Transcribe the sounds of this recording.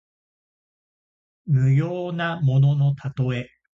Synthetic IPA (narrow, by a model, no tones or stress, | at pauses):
mɯ̟joːnamo̞no̞no̞t̪ʰat̪o̞e̞